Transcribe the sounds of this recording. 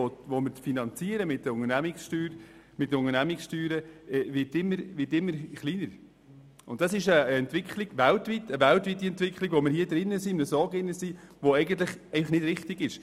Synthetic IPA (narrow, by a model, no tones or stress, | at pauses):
oʋomɪɾt͡sfinɑnt͡siəɾəmɪt̚dəɾʊŋəɾnæmɪksʃtyːɾ | mɪt̚dəʊŋəɾnæmɪksʃtyːɾəɛvɪtɪmːəɾʋɪtɪmːəɾχliːnəɾ | ʊntd̥ɑsɪʃəɛntʋɪkχlɪɡ̥væltʋitəʋæltʋitːiɛntʋɪkχlɪɡʋomɪɾhiːədɾɪnːəsiməsɔːɡɪnːəsiʋoɛɪɡən̩t̪̬ləχɛɪfɑχnɪd̥ɾɪχtiɡɪʃ